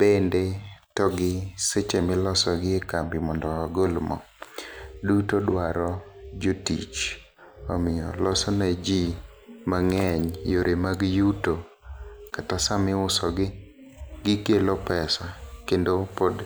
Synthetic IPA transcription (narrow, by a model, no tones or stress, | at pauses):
bendetɔɡɪset͡ʃemɪlɔsɔɡɪekambɪmɔndɔaɡolmɔ̰ | dutodwaɾɔd͡ʒotḭt͡ʃ | ɔmɪjɔ̰lɔsɔnad͡ʒi | maŋɛɲjoɾʔemaɡjuto | katasamɪʊsɔɡɪ | ɡɪkelopɛsakendopod